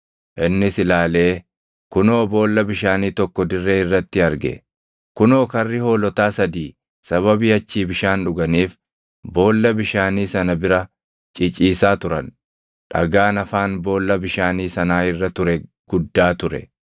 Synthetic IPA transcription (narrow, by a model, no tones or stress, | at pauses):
ʔɪnːɪsɪlaːle̞ː | kʊno̞ːbo̞ːlːɐbɪʃaːniːt̪ɔkːɔd̪ɪrːe̞ːɪrːɐt̪ːɪɐɾɡɛ̰ | kʊno̞ːkɐrːɪho̞ːlɔt̪aːsɐd̪iː | sɐβɐbiːɐt͡ʃːiːbɪʃaːnᶑʊɡɐniːf | bo̞ːlːɐbɪʃaːniːsɐnɐbɪɾɐ | t͡ʃʼɪt͡ʃʼiːsaːt̪ʊɾɐn | ᶑɐ̰ɡaːnɐfaːnbo̞ːlːɐbɪʃaːniːsɐnaːɪrːɐt̪ʊɾɛɡ̥ʊd̪ːaːt̪ʊɾɛ̰